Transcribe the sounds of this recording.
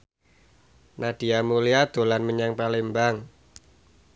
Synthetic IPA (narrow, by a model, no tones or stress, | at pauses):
nad̥i̤amuliad̪̥o̤lanməɲaŋpalembaŋ